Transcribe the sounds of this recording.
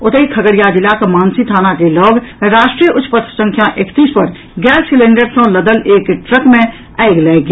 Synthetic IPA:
ʊt̪əikʰəɡəɽjad̪ɪlakmaːnsit̪ʰaːnakelɔːɡɾaːʃʈɾijəʔʊtpət̪ʰsə̃ŋkʰjaʔekt̪iːspɐɾ | ɡɛːssɪlẽɳɖəɾsõləd̪əleːkʈɾəkmẽ | ɛɪɡlɛːɡ

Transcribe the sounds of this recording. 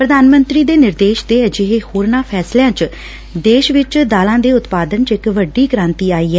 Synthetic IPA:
pɾəd̪aːnmənt̪ɾiːd̪eːnɪɾd̪eːʃd̪eːd͡ʒɪɦeːhoːɾnaːpʰɛːsljãːt͡ʃ | d̪eːʃʋɪt͡ʃd̪aːlãːd̪eːʊt̪paːd̪ənt͡ʃɪkʋəɖːiːkəɾãːnt̪iːaːiːɛː

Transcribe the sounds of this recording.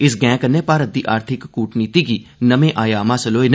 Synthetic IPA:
ɪsɡɛ̃ːkəneːpaːɾət̪̚d̪iːʔaːɾt̪ʰɪkːuːʈniːt̪iːɡiːnəmẽːʔaːjaːmãːsəloːen

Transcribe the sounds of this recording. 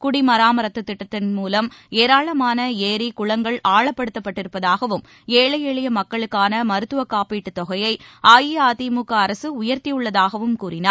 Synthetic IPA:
kʊɽimɐɾaːmɐɾɐt̪ːɯt̪ːɪʈːɐt̪ːɪnmuːlɐmeːɾaːɭɐmaːnɐeːɾikʊɭɐŋɡɐɭaːɭɐpːɐɽɯt̪ːɐpːɐʈːɪɾɯpːɐðaːɣɐʋɯm | eːɭɐjɛɭɪjɐmɐkːɐɭɯkːaːnɐmɐɾɯt̪ːɯʋɐkːaːpiːʈːɯt̪ːɔɣɐjɐɪaːjiaːt̪imukːɐːɾɐsɯʊjɐɾt̪ijɯɭːɐðaːɣɐʋɯmkuːɾɪnaːɾ

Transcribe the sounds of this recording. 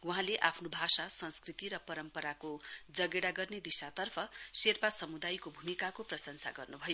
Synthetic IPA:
wuɦãleʔapʰnobʱasasʌnskrit̪iɾʌpʌɾʌmpʌɾakod͡zʌɡeɽaɡʌrned̪isat̪ʌrpʰʌserpasʌmud̪ajkobʱumikakoprʌsʌnsa̰ɡʌrnubʱʌj

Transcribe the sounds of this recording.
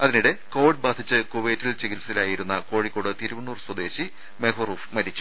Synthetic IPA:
ɐðiniɽeko̞ːʋiɖ̚baːd̪ʱit͡ɕːɨkoʋeːtːilt͡ɕeɣilsilaːjiɾunːɐko̞ːɻikʲːo̞ːɽɨt̪iɾuʋunːuːrswɐd̪e̞ːɕi | mekoruːfmɐɾit͡ɕːu̥

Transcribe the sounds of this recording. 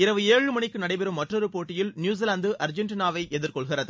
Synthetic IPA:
ɪɾɐʋɯeːɻɯmɐɳɪkːɯnɐɽɐɪpɛɾɯmːɐʈrɔɾɯpoːʈːɪjɪlnjuːs̬iːlaːnd̪ɯʔɐɾd͡ʒɛɳʈɪnaːʋɐɪʔɛðɪɾkɔɭɣɪrɐðɯ

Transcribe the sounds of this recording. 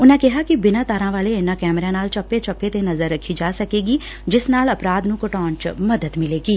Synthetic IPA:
ʊnãːkɪɦaːkɪbɪnãːt̪aːɾãːʋaːleːɪnãːkɛːmɾãːnaːlt͡ʃəpːeːt͡ʃəpːeːt̪eːnəzəɾːəkʰːiːd͡ʒaːsəkeːɡiː | d͡ʒɪsnaːləpɾaːd̪nũːkəʈɔːnt͡ʃməd̪əd̪mɪleːɡiː

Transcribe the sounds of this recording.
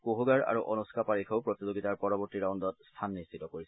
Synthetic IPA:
koɦuɡaɹa̰ɹuʔɔnuskʰapaɹikʰoʊpɹot̪izoɡitaɹpɔɹɔbɔɹtiɹawndɔt̚stʰanːistʰitɔkoɹisɛ

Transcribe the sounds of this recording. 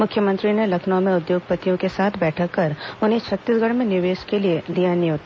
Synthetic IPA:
mʊkʰjəmə̃nt̪ɾinelɐkʰnõmẽʊd̪joːɡ̚pət̪ijõkesaːt̪ʰbɛːʈʰakɐɾʊnɦẽt͡ʃʰɐt̪ːisɡʱəɽmẽnɪʋeːʃkelied̪ijanĩɦoːt̪a

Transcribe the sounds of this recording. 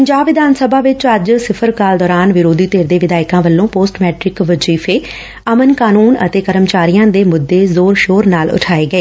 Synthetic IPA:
pəɲd͡ʒaːbɪd̪ʱaːnsəbʱaːʋɪt͡ʃəd͡ʒsɪpʰəɾkaːld̪ɔːɾaːnʋɪɾoːd̪ʱiːt̪eːɾd̪eːʋɪd̪aːɪkãːʋəlːõːpoːsʈmɛːʈɾɪkʋət͡ʃiːfʰeː | əmənkaːnuːnə̰t̪eːkəɾəmt͡ʃaːɾijãːd̪eːmʊd̪ːeːzoːɾʃoːɾnaːlʊ̰ʈʰaːeːɡəeː

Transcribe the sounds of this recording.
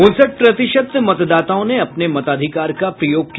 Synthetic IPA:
ʊnsəʈ̚pɾɐt̪ɪʃəd̪mɐt̪d̪aːt̪aõneɐpnemɐt̪aːd̪ʱɪkaːɾkapɾɐjoːɡ̚ki

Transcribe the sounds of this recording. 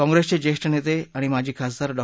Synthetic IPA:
kɔ̃ŋɡɾest͡ɕed͡ʑeɕʈənet̪eaɽ̃imad͡ʑʱiːkʰas̬d̪aɾɖɔ

